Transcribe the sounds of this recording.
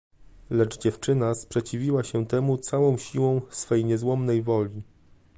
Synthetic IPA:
lɛd͡ʐd͡ʑɛft͡ʂɘnaspʂɛt͡ɕivʲiwaɕɛt̪ɛmut̪sawɔ̃w̃ɕiwɔ̃w̃sfɛjɲɛzwɔmnɛjvɔlʲi

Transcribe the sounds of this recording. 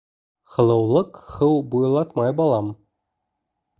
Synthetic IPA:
χɤ̆lˠɤ̆wlˠɤ̆kχɤwbujlˠɑt̪mɑjbɑlˠɑm

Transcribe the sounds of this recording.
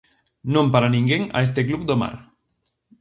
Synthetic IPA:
nõmpaɾanĩŋɡeŋa̰es̬t̪eklupd̪oma̰ɾ

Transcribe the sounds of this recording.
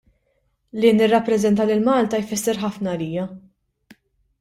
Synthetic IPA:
liːnːɪrːɐpːɾɛzɛnt̪ɐlɪlmɐːlt̪ɐjfɪsːɛɾħɐfnɐːliːjɐ

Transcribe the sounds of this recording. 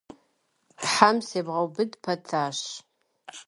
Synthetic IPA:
ħamseːbʁɐwbɨdpʰɐtʰaːɕ

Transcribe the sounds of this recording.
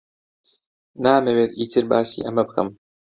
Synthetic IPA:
naːmeweːt̪ʔiːt̪ʰɨɾbaːsḭːʔɐmɐbɨkʰɐ̰m

